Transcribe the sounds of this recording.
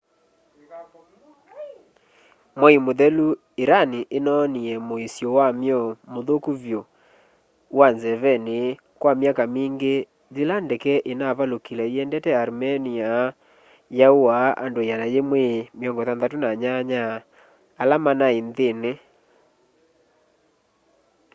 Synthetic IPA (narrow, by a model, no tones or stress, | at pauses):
mwɛimoðɛlu | eɾaniʔenɔniɛmoisjɔwamjɔmoðokuβjo | wanzɛvɛne | kwamjakamiːŋɡe | zilandɛkɛʔenaβalokilɛiɛndɛtɛaɾmɛnia | jaowaʔa̰ndoeanajemwemjɔŋɡɔtanðatonaɲaɲaː | lamanaenðene